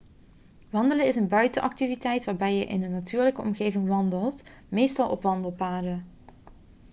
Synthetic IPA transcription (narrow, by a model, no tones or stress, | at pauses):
ʋɑndələɪsənbœɥtəʔɑk̚tivitɛjtʋaːɹbɛjəʔɪ̰nənːatʰyːɹləkəɔ̰mɣejvɪŋʋɑndəlˠt | mejstɑlˠʔɔpʋɑndəlˠpaːdə